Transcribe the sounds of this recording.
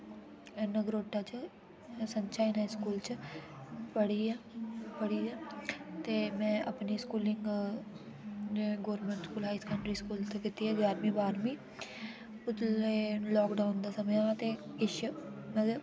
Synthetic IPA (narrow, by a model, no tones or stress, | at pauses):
nəɡɾoːʈːaːt͡ʃə | səɲt͡ʃaːinaːiskuːlt͡ʃə | pəɽiɛːpəɽiɛːt̪eːmɛ̃ːʔəpniːskuːlɪŋɡ | ɡoːɾmə̃ɳʈskuːlɦaːiskəɳʈɾiːskuːlt̪əkit̪iːɛːɡjaːɾmĩːbaːɾmĩː | ʊt̪leːlɔːkɖaːʊnd̪aːsəmejat̪eːɪʃmə